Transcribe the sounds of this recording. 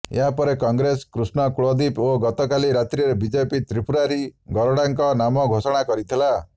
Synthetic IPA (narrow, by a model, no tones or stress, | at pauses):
ḛɦapɔɾekɔŋɡɾeskɾusnɔkuɭod̪ipoɡɔt̪ɔkaliɾat̪ɾiɾebid͡ʒepit̪ɾipuɾaɾiɡɔɾɔɽaŋkɔnamɔɡʱosɔɽ̃akɔɾit̪ʰila